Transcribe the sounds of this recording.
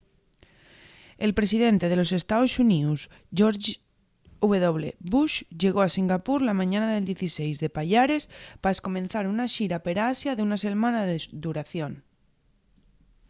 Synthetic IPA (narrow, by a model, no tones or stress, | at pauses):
e̞lpɾe̞siðe̞nt̪e̞ð̞elo̞s̬e̞st̪aosunius | ʝoɾ | uβeðoβ̞lḛβuʃʝe̞ɣoasiŋɡapuɾlamãɲãnaðe̞ld̪je̞θisejzðe̞paʎaɾe̞spasko̞mẽn̟θaɾunaʃiɾape̞ɾasjaðeunase̞ɾmãnaðed̪uɾaθjon